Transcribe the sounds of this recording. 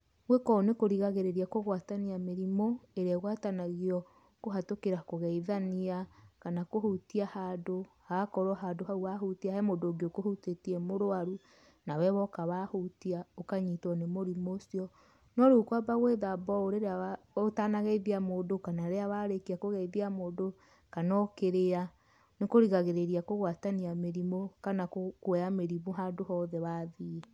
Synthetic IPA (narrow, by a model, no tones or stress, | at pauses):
ɣwekɔnekoɾiɣaɣeɾeɾiakoɣwataniameɾimɔeɾeaɣwatanaɣiɔ | koɦatokeɾakoɣɛiðaniakanakohutiahadohakɔɾwɔɦadohauahutiahɛmodoɡeokohutetiɛmoɾoaɾu | nawɛβɔkaβahutiaokaɲitɔnemoɾimosiɔ | nɔɾukwabaɣweðabɔoɾeɾeawa | otanaɣeiðiamoːdokanaɾeaβaɾekiakoɣeiðiamoːdo | kanɔkeɾea | nekoɾiɣaɣeɾeɾiakoɣwataniameɾimokanakokwɛameɾiβuɦadohɔːðɛβaði